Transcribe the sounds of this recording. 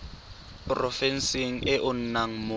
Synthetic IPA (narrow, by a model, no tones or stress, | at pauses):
prɔfɛn̩siŋ̩ɪʔʊn̩naŋ̩mʊ